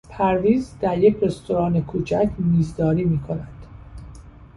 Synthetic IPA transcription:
pʰæɾviːzd̪æɾjecre̞st̪ʰoɾɒːnekʰuːt͡ʃʰæcʰmiːzd̪ɒːɾiːmiːkʰo̞næd̪̥

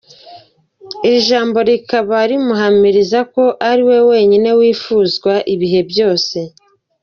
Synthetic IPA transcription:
iɾiʒaːmbo̞ɾikaβaɾimuɦamiɾizako̞ʔaɾiwe̞we̞ːɲine̞wiːfuːzɡwaʔiβiɦe̞bjo̞ːse̞

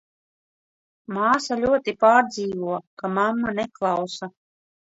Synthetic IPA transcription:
maːsalʲuɔt̪ipaːɾd̪ziːvuɔkamamːaneklˠawsa

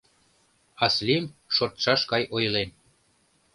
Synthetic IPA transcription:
ɑslimʃort̪ʃɑʃkɑjojlen

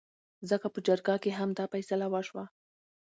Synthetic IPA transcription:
zəkapəd͡ʒaɾɡakeɦamd̪ɑfajsalawaʃwa

